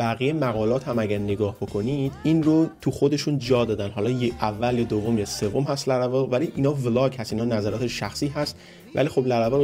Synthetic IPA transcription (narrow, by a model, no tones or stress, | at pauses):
bæɣijemæɣɒːlɒːt̪hæmæɟæɾne̞ɡɒːhb̥o̞kʰo̞nid̪̥inrot̪ʰuxod̪e̞ʃund͡ʒɒːd̪ɒːd̪ænɦɒːlɒːjeʔævːæled̪ovːo̞mjɒːise̞vomhæst̪læɾævɒvæliʔiːnɒːvlɒːkhæst̪iːnɒːnæzæɾɒːt̪ʰeʃæxsiːɦæst̪ | væ̰liːxo̞blæɾævɒ